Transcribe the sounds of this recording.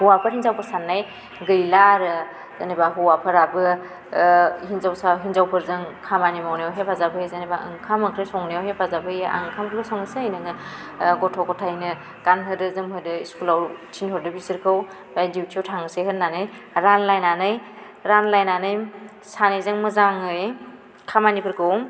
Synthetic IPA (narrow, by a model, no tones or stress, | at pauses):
hɔwapʰɯɾhinzawpʰɯɾsanːaj | ɡɯjlaɾɯ | z̥anibaɦɔwapʰɯɾabɯ | hinzawsaɦinzawpʰɯɾzɯŋkʰamanimawnijawɦepʰazabʰɯjezanibaʔɯ̰ŋkʰamɯkʰɾesɔŋnɯjawhepʰazabʰɯjeʔa̰ŋkʰamkʰɾesɔŋsejnɯŋɯ | ɡɔtʰɔɡɔtʰajnɯ | ɡ̥anɦɯdɯzɯmhɯdɯiskulawtʰinhɔɾdɯbisɯɾkʰɯw | bajdiwtʰiɔwtʰaŋɯsehɯnanɯj | ɾanlajnanɯj | ɾanlajnanɯjm | sanezɯŋmɯzaŋɯj | kʰamanipʰɯɾkʰɯw